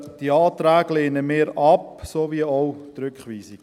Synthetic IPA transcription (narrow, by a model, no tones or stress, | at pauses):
d̥iəɑːt̪ɾæːɡleːnəmeːɾɑpsovioʊt̪ɾʏkχʋiːsiɡ